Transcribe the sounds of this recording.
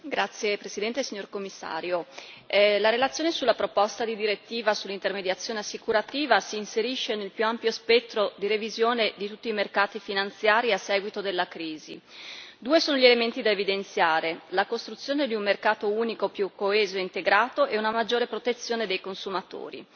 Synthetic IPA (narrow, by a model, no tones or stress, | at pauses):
ɡɾat̪sːjepɾesid̪ɛnt̪esiɲːorkomːisːa̰ːɾjo | laɾelat̪sjoːnesulːapɾopɔst̪ad̪id̪iɾet̪ːiːvasulːint̪ermed̪jat̪sːjoːneasːikuɾat̪iːvasiːnseɾiʃːenelpjuampjospɛt̪ːɾod̪iɾevizjoːned̪it̪ut̪ːiːmerkaːt̪ifinant̪sjaːɾiasːɛːɡwit̪od̪elːakɾiːzḭ | d̪uːesoːnoʎielement̪id̪aevid̪ent̪sjaːɾelakost̪ɾut̪sːjoːned̪iummerkaːt̪ouːnikopjukːoeːzoeint̪eɡɾaːt̪oʔɛunamad͡ʒːoːɾepɾot̪et̪sːjoːned̪ejkonsumat̪o̰ːɾḭ